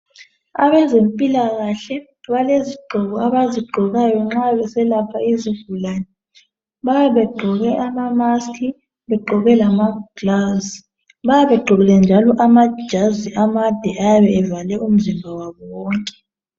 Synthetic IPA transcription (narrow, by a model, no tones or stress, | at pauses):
aβɛzempʼilaɣaɬɛ | βaleziɡ͡ǃʱɔɣɔaβaziɡ͡ǃʱɔɣajɔŋ͡ǁaβɛsɛlapʰaizivulaːnɛ | βajaβɛɡ͡ǃʱɔɣɛʔamamaskʰi | βɛɡ͡ǃʱɔɣɛlamaɡ̥lazi | βajaβɛɡ͡ǃʱɔɣɛlɛnd͡ʒʱalɔʔamḁʒ̥ʱaziamad̥ʱɛʔajaβɛːvalɛum̩zimbʱawaβɔwɔːŋkʼɛ̥